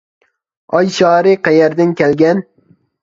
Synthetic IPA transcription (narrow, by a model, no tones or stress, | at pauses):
ɒjʃɒːɾɪqʰɑjaɾd̪ɪnkʲalɡʲan